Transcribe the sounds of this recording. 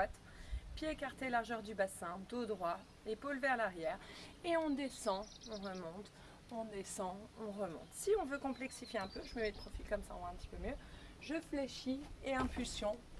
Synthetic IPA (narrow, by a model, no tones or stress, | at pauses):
at̪ | pjeekaʁt̪elaʁʒœʁd̪ybasɛ̃d̪od̪ʁwa | epolvɛʁlaʁjɛːʁeɔ̃d̪esɑ̃ | ɔ̃ʁəmɔ̃t̪ | ɔ̃d̪esɑ̃ɔ̃ʁəmɔ̰̃t̪siɔ̃vøkɔ̃plɛksifjeɛ̃pøʒəməmɛd̪əpχɔfilkɔmsaɔ̃vwɛ̃ɛ̃pət̪i̥pømjøʒəfleʃieɛ̃pylsjɔ̃